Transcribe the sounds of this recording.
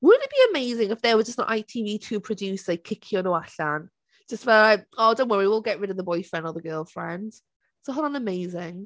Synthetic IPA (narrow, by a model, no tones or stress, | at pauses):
wʊdⁿn̩ɪtb̥iəmeɪzɪ̃ŋɪfðəwəd͡ʒʌsnə̰ʔaɪtʰiːviːtʰʉːpʰɹ̥ədʉˑsaɪkʰɪkʰjənəaɬãn | d̥ʒ̥ʌsfəlaɪoʊdõʊ̃nwʌɹiiwɪlˠɡɛʔɹɪɾəvðəbɔɪfɹɛ̃ndəðəɡɜːlˠfɹɛ̃nd̥ | sohanə̃nəmeɪzɪ̃ŋ